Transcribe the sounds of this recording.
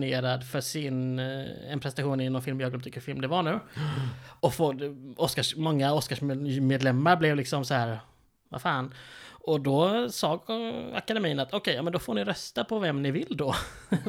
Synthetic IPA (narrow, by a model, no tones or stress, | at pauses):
neːɾad̪fœʂɪnɛ̰npʰɾɛsɛaɧuːnɪnɔnfɪlmjɑːɡd̪ɔt̪ʏ̥kːəɾfɪlmd̪ɛvaɳʉ̟ː | ɔfoɔskaʂmɔŋːaɔskaʂmmeːd̪lɛmːaɾblɛvlɪksɔmsɔhæːɾ | va̰fɑːnɔd̪ɔsɑːɡa̰kad̪ɛmiːənat̪ɔkʰɛjɑːmɛnd̪ɔfoːɳɪɾœst̪apʰɔvɛmnɪvɪld̪ɔ